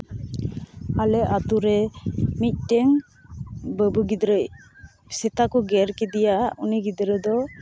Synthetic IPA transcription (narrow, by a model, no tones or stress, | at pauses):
alɛʔat̪uɾɛmic̪̚ˀʈɛŋ | bəbuɡid̪ɾəʔ | sɛt̪akɔɡɛɾkɛd̪ɛjaʔuniɡid̪ɾəd̪ɔ